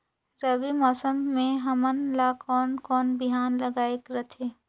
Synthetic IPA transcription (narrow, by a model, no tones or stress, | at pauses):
ɾəbimɔːsəmːẽɦɐmənlakɔːnkɔːnbɪɦaːnlɐɡaːekɾɐt̪ʰeː